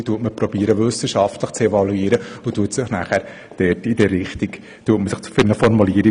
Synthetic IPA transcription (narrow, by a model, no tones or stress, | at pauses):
tuətməpɾɔbiːəɾəʋʏsəʃɑftləχt͡sevɑluiːɾəʊtuətsɪχnæːχæːɾ | d̥ɛtidɛːɪχt̪iɡ | tuətməsɪχt͡sfɪnəfɔɾmuliəɾi